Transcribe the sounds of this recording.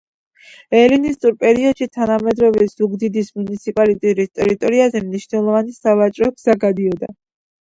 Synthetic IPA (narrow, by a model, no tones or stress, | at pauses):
ɛlinist̪ʼuɾpʼɛɾiɔd̪ʃit̪ʰanamɛd̪ɾɔvɛz̥uɡd̪id̪ismunit̪sʰipʼalit̪ʼiɾist̪ʼɛɾit̪ʼɔɾiazɛmniʃnɛlˠɔvanisavat͡ʃʼɾɔɡz̥aɡad̪iɔd̪a̰